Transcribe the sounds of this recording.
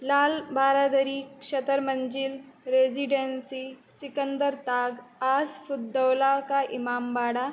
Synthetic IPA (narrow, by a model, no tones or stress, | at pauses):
laːlbaːɾad̪əɾiːkɕɐt̪əɾməɲd͡ʒilɾeziɖensisikənd̪əɾt̪aːɡaːsfud̪ːəwlakaʔimaːmbaːɽa